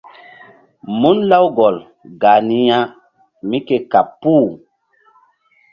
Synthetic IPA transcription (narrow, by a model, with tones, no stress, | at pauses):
mu˦nla˦wɡɔ˨l | ɡa˨ni˦ja˦ | mi˦ke˦ka˨pːu˦˨